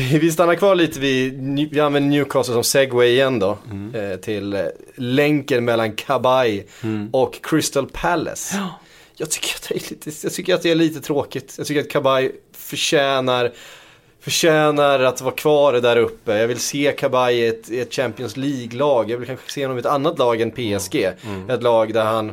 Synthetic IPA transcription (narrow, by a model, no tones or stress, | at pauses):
ɪvɪst̪anːaɾkʰvɑːɭiːt̪əvɪvɪanvɛnd̪əɳjʉːkʰɑːsəʂɔmsɛɡwɛjɪjɛnːd̪ɔt̪ʰɪlː | ɛŋkənmɛlːankʰabajɔkʰːɾɪst̪əlpʰælɛ̰s | jɑɡt̪ʰʏ̥kːəɾat̪̚d̪ɛæɭiːt̪ʰəjɑɡt̪ʰʏkːəɾat̪̚d̪ɛæɭiːt̪ət̪ʰɾoːkɪt̪jɑɡt̪ʏkːɾat̪̚kʰabaj | fœʂɛːnaɾ | fœʂɛːnaɾat̪vɑːɾkʰvɑːɾd̪æɾɵpːəjɑːɡvɪlseːkʰabajəɛt̪ɪɛt̪ːɕæmpɪɔnsliːɡlɑːɡjɑɡvɪlkʰanxə̥seːhɔnːɔmɛt̪anːat̪lɑːɡɛnpʰeːɛsɡeːɛt̪lɑːɡd̪æɾhan